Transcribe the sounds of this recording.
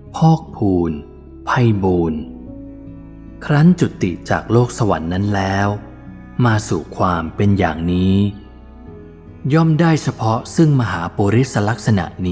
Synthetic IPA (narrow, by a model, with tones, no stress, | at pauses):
pʰɔː˥˩k̚pʰuː˧n | pʰa˧jbuː˧n | kʰɾa˦˥ŋt͡ɕu˨˩t̪ːḭ˨˩t͡ɕaː˨˩k̚loː˥˩k̚sa˧wa̰˩˦nːa˦˥nlɛː˦˥w | maː˧suː˨˩kʰwaː˧mpe˧nja̰ː˨˩ŋniː˦˥ | jɔ˥˩mdaː˥˩jt͡ɕʰa˧pʰɔ˦˥sɯ˥˩ŋma˧ɦaː˩˦poː˧ɾi˦˥t̪̚sa˧la˦˥k̚sa˧na̰˨˩ʔniː˦˥